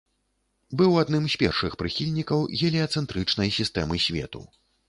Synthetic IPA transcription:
bɨwad̪nɨmsʲpʲɛrʂɨxpɾɨxʲilʲnʲikɐwɣʲɛlʲɛɐt̪sɛnt̪ɾɨt͡ʂnɐjsʲist̪ɛmɨsʲvʲɛ̰t̪ṵ

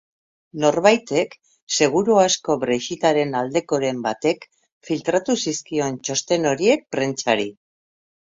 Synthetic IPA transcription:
no̞ɾβajt̪e̞k | se̞ɣ̞uɾuasko̞βɾeʃit̪aɾe̞nald̪e̞ko̞ɾe̞mbat̪e̞k | filt̪ɾat̪usiskio̞nt͡ʃo̞st̪e̞no̞ɾie̞k̚pɾe̞nt͡ʃaɾi

